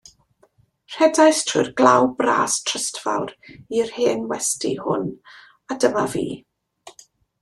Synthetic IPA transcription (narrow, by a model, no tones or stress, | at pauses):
r̥ɛdajstʰʊ̰ɨrɡ̥lˠawbra̰ːstʰrəstva̰wɾirheːnwɛstḭhʊ̰n | adəmavḭː